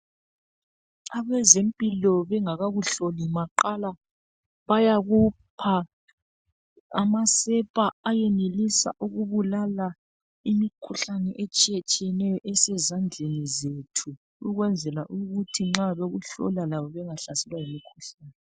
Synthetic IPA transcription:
aβɛzempʼilɔβɛŋaɣaɣuɬolimaǃala | βajaɣupʰa | amasɛpʼaajɛnelisa̰ʔuɣuβulala | imikʰuɬanɛʔet͡ʃʼijɛt͡ʃʼijɛnɛjɔʔɛsɛzand͡ɮʱenizetʰuː | ɣwɛnd͡zʱɛlaʔuɣutʰiŋ͡ǁaβeɣuɬɔ̰lalaβɔβɛŋaɬasɛlwajimikʰuɬaːnɛ

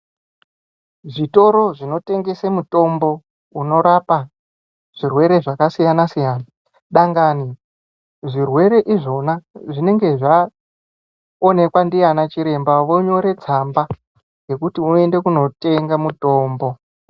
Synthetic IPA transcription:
ʐito̞ɾo̞ʐino̞te̞ŋɡe̞semuto̞mbo̞ | uno̞ɾapa | ʐ̥irwe̞ɾe̞ʐakasijanasijaːna | ɗaŋɡani | ʐirwe̞ɾe̞ʔiʐo̞naʐine̞ŋɡe̞ʐa | one̞kwandijanat͡ʃiɾe̞mbaʋo̞ɲo̞ɾe̞t͡samba | ɡe̞kutiue̞nde̞kuno̞te̞ŋɡamuto̞ːmbo̞

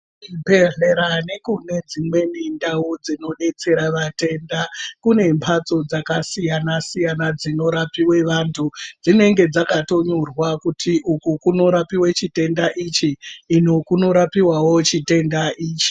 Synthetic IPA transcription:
ibe̞re̞ɾane̞kune̞d͡zimwe̞nindaud͡zino̞ɗe̞t͡se̞ɾaʋate̞ndakune̞mpʰat͡so̞d͡zakasijanasijanad͡zino̞ɾapiwe̞ʋantʰud͡zine̞ŋɡe̞d͡zakato̞ɲurwakutʰiʔukukuno̞ɾapiwet͡ʃite̞ndaʔit͡ʃiːno̞kuno̞ɾapiwawo̞t͡ʃite̞ndaʔiːt͡ʃi̥

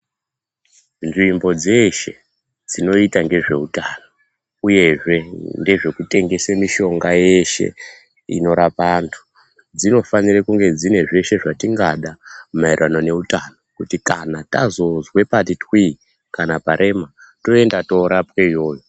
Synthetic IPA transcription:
nʐimbo̞d͡ze̞ʃe̞̰ | d͡zino̞itaŋɡe̞ʐe̞utano | uje̞ʐe̞nde̞ʐe̞kute̞ŋɡe̞semiʃo̞ŋɡaje̞ʃe̞̰ | ḭno̞ɾapantʰu̥ | d͡zino̞fanirekuŋɡe̞d͡zine̞ʐe̞ʃe̞ʐatiŋɡaɗamairano̞ne̞utanokutikanatazo̞zwe̞patitwi | kanapaɾʔe̞ma | to̞e̞ndato̞ɾapweijo̞ːjo

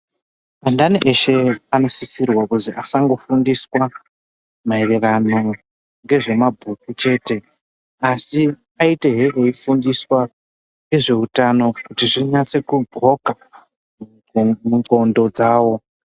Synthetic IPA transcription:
andaniʔe̞ʃe̞ano̞sisirwakuziʔasaŋɡo̞fundiswa | maererano̞ | ŋɡe̞ʐe̞mabʱukut͡ʃe̞ːte̞ | asi | aite̞ɦeʔeifundiswa | ŋɡe̞ʐe̞utano̞kutiʐiɲat͡se̞kuɡʱo̞ka | m | muŋɡo̞ndo̞d͡zaːwo̞

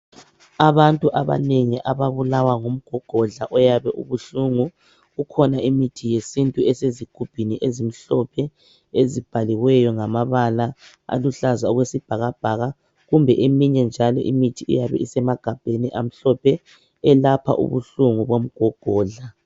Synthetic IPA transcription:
aβantʼuʔaβa̰neŋiʔaβaβulawaŋom̩ɡ̥ʱɔɡ̥ʱɔɮaʔɔjaβɛʔṵβuɬuŋu | ɣukʰɔnaimitʰijesintʼuɛseziɡ̥ʱub̥ʱiniʔezim̩ɬɔpʰɛ | ezib̥ʱaliwɛjɔŋamaβala | a̰luɬazaɔɣwesib̥ʱaɣab̥ʱaɣa | ɣumbʱɛʔemiɲɛnd͡ʒʱalɔ̰ʔimitʰiʔḭjaβɛ̰isɛmaɡ̥ʱab̥ʱeniʔam̩ɬɔpʰɛ | ɛlapʰa̰ʔṵβṵɬuŋuβom̩ɡ̥ʱɔɡ̥ʱɔːɮa

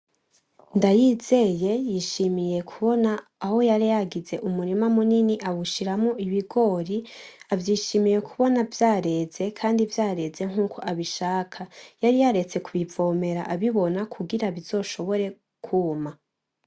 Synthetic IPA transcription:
ndajize̞je̞jiːʃimije̞kʰuβo̞naːho̞jaɾijaɡize̞ʔumuɾimamuniniʔaβuʃiɾamuiβiɡo̞ːɾiavjiːʃimije̞kʰuβo̞navjaːɾe̞ze̞kʰaːndivjaːɾe̞ze̞ŋ̥uːkʰo̞ʔaβiʃaːkʰajaɾijaɾe̞t͡se̞kuβivo̞ːme̞ɾa̰ʔaβiβo̞nakʰuɡiɾaβizo̞ʃo̞βo̞ɾe̞ | kʰuma

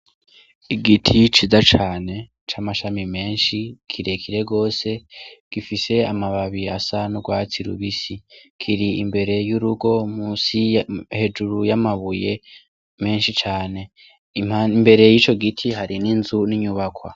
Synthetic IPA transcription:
iɡitʰit͡ʃizat͡ʃaːne̞ | t͡ʃaːmaʃamime̞ːnʃikʰiɾe̞kʰiɾe̞ɡo̞ːse̞ɡ̥ifise̞amaβaβiasanuɡwaːt͡siɾṵβisikʰiɾiimbe̞ɾe̞juɾuɡo̞musihe̞d͡ʒuɾujamaβuje̞ | me̞ːnʃit͡ʃaːne̞ | aimbe̞ɾe̞jit͡ʃo̞ɡitʰiɦaɾininzuniɲuβakwa̰

